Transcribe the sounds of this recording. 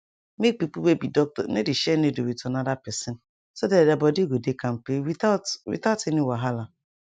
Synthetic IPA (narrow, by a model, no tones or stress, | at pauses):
mek̚pipuwebidɔk̚tɔ̰nediʃɛneduwitnadapɛsen | sodadabɔdiɡʷedekam̩pewḭtateniwaɦala